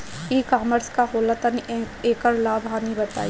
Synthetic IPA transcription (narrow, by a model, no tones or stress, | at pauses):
iːkaːməɾskaɦoːlat̪ani | eːkəɾlaːbʱɦaːnibɐt̪a̰ːi